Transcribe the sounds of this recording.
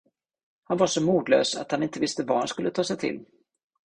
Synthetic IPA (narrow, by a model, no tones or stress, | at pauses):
hanvaʂɔmuːd̪lø̰ːsa̰t̪hanɪnt̪əvɪst̪əvahanskɵlːət̪ʰɑːsɛjt̪ʰɪ̰lː